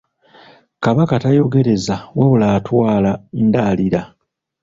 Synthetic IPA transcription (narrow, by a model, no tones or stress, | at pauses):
kaβakatajo̞ɡe̞ɾe̞zawaβulaːtwaːlaendaːliɾa